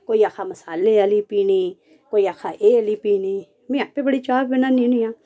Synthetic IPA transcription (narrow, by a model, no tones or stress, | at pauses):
koːiːaːkʰaːməsaːleːəliːpiːniː | koːiaːkʰaːʔeːəliːpiːniː | mĩapeːbəɽiːt͡ʃaːbbɪnanĩnĩãː